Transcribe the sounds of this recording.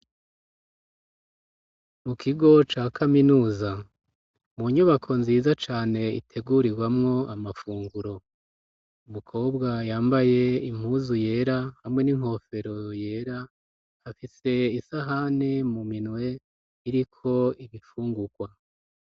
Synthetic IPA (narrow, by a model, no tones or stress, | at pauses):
mukʰiɡo̞t͡ʃaːkʰaminuːza | muɲuβakʰo̞nziːzat͡ʃaːne̞ḭtʰe̞ɡuɾiɡwamŋo̞ʔamafuːŋɡuɾo̞ | umukʰo̞ːbɡajaːmbaje̞im̥huzuje̞ːɾahamŋe̞niŋ̥ho̞fe̞ɾo̞je̞ːɾaː | fise̞isaɦane̞muminwe̞ | iɾikʰo̞iβifuːŋɡuɡwa